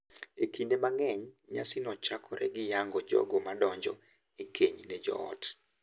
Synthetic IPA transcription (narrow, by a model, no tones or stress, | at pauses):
ekindemaŋɛɲɲasɪnɔt͡ʃakʰɔɾɛ̰ɡɪjaŋɡɔd͡ʒɔ̰ɡɔmadɔɲd͡ʒɔ̰ | ikʰeɲnɛd͡ʒɔ̰ɔ̰t